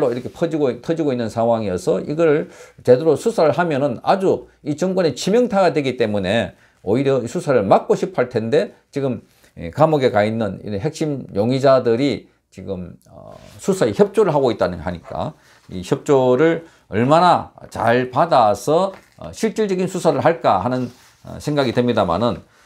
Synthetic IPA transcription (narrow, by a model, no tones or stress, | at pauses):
oiɾʌkʰepʰʌd͡ʑiɡoitʰʌd͡ʑiɡoinːɯnsʰaŋɦwaŋiʌsʰʌiɡʌɾɯɭt͡ɕe̞doɾosʰusʰaɾɯɭɦamjʌnɯna̰d͡ʑu | it͡ɕʌŋkwʌnet͡ɕʰimjʌŋtʰaɡadwe̞ɡit͈e̞mune̞ | oiɾjʌisʰusʰaɾɯɭmak̚k͈oɕʰipʰaɭtʰe̞nde̞t͡ɕiɡɯm | ḭkamʌɡe̞kainːɯnḭɦe̞k̚ɕ͈imjoŋid͡ʑadɯɾi | t͡ɕiɡɯm̰ | sʰusʰaeçjʌp̚t͡ɕ͈oɾɯɭɦaɡoit̚t͈anɯŋɡɦaɲik͈a̰ | ḭçjʌp̚t͡ɕ͈oɾɯɭ | ʌ̰ɭmanat͡ɕa̰ɭpadasʰʌ̰ | ɕʰiɭt͡ɕ͈iɭd͡ʑʌɡinsʰusʰaɾɯɭɦaɭk͈ahanɯn̰ | sʰe̞ŋɡaɡidwe̞mɲidama̰nɯn